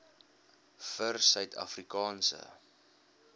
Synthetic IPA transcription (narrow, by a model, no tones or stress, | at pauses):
fərsœɥtʰɐ̰frikɑːnsə̰